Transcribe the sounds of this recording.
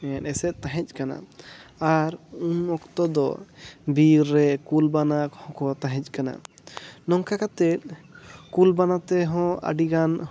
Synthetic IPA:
ɛnɛsɛʔt̪aɦɛc̚ˀkana̰aɾumɔkt̪ɔd̪ɔ̰biɾːɛkulbanakhɔ̃kɔt̪aɦɛ̃c̚kana̰ | nɔŋkakat̪ɛt̪̚kulbanat̪ɛɦɔ̃a̰ɖiɡan

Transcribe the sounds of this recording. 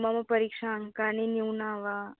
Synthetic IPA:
mamɐpɐɾikʂaːŋkaniniwnaːʋaː

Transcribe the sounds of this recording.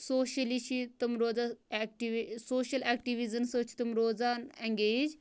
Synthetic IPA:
soːʃɐlit͡ʃʰit̪umɾoːd͡zaːkʈisoːʃɐleːk̚ʈiʋizɐnsoːt͡ʃʰi̥t̪umɾoːzaːneŋɡeːd͡ʒ

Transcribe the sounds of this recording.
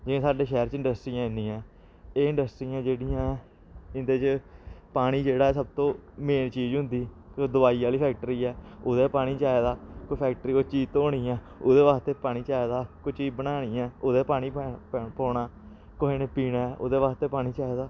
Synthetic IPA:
d͡ʒɪẽːsaːɖeːʃɛːɾt͡ʃɪɳɖəsʈɾiːãːɪ̃nd̪iːãː | eːɪ̃ɳɖəsʈɾiːãːd͡ʒeːɽijãː | ɪnd̪eːt͡ʃpaːɽ̃iːd͡ʒeːɽaːɛːsəb̚t̪õːmeːnt͡ʃiːd͡ʒɦʊ̃nd̪iːkd̪ʊbaːiːaːliːpʰɛːk̚ʈɾiːɛːoːd̪eːpaːɽ̃iːt͡ʃaːeːd̪aːkoːipʰɛːk̚ʈəɾiːkot͡ʃiːt̪oːɽ̃iːɛː | oːd̪eːʋaːst̪eːpaːɽiːt͡ʃaːed̪aːkʊt͡ʃiːbənaːɽ̃iːɛːoːd̪eːpaːɽ̃iːpɔːɳaː | koɦeːneːpiːnaːɛːʔo̰ːd̪eːʋaːst̪eːpaːɽiːt͡ʃaːed̪aː

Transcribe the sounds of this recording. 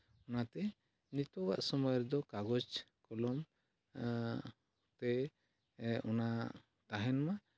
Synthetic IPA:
ɔnat̪ɛ | nit̪ɔɡa̰ʔsɔmɔjɔɾɛd̪ɔkaɡɔd͡ʒkɔlɔm | t̪ɛ | ɔna | t̪aɦɛnma

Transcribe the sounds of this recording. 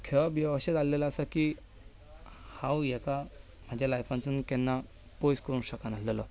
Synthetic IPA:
kʰəbjəʋɕet̪alːelaːsaki | hãwjɛka | m̤ad͡ʑʱjalajfãnt͡sunkɛnːa | pojskəɾũːnɕəkanaslelɔ

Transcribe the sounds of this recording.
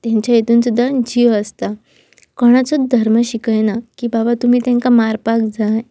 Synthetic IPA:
t̪jãɲt͡ɕjajet̪uːnsud̪ʱːad͡ʑiʋəst̪a | kɔɽ̃at͡sɔd̪ʱəɾməɕikəjnakiːbabat̪um̤iːt̪jãŋkamaɾpak̚d͡zaj

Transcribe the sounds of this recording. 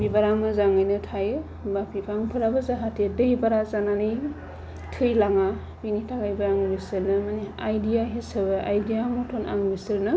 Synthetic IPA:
bibaɾamɯzaŋajnɯtʰajɯ | bapʰipʰaŋpʰɯɾabɯzaɦatʰedɯibaɾazananɯj | tʰɯjlaŋa | biŋitʰaɡajbaɾaŋbisɯɾnɯmaneajdijaɦesɯbɯʔajdijamɔtʰona̰ŋbisɯɾnɯ

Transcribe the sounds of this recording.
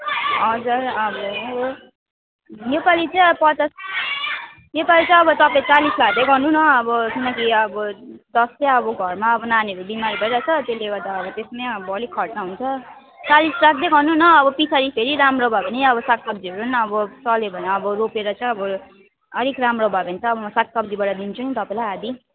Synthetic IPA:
ʌd͡zarʌbʌ | nepalit͡sãj̃ʌpʌt͡sas | nepalit͡sʌ̃j̃ʌbʌt̪ʌpãĩt͡salislakd̪ekɦʌnunʌːbʌkinʌkiʌbʌd̪ʌst͡sãʌbʌɡʱʌrmaʌbʌnaneɾubimaɾibʱʌiɾat͡sʰʌt̪eleɡʌd̪aʌbʌt̪esmaʌbʌʌlikʰʌʈnaɦunt͡sʰʌ | t͡salisrak̚d̪ekɦʌnunʌːbʌpisʰaɾipʰeɾiɾamrobʱʌbʌniʌbʌsak̚sʌb̚d͡ziʌɾunʌbʌt͡sʌlebʱʌneʌbʌɾopeɾʌt͡sãĩʌbʌ | ʌɾikramrobʱabʌnt͡sʰʌːbʌmʌsak̚sʌbd͡zibʌɽad̪int͡sʰunit̪ʌpãĩlajad̪i

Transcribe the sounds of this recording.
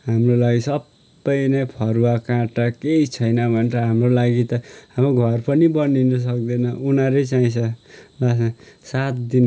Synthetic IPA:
ɦamrolaɡisʌbː | ʌjnʌpʰʌrwakãʈʌkeit͡sʰʌjnʌbʱʌnrʌɦamrolaɡit̪ʌhamoɡʱʌrpʌnibʌninʌs̬ʌk̚d̪ʌnʌunãɾet͡saĩsʰʌlasasat̪d̪in

